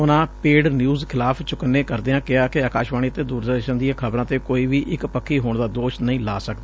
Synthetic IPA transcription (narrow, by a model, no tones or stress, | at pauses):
ʊnãːpeːɖnjuːzkʰɪlaːpʰt͡ʃʊkənːeːkəɾd̪eːãːkɪaːkɪaːkaːʃʋaːniːət̪eːd̪uːɾd̪əʃənd̪ijãːkʰəbɾãːt̪eːkoːiːʋiːʔɪkpəkʰːiːɦoːɳd̪aːd̪oːʃnəĩːlaːsək̚d̪aː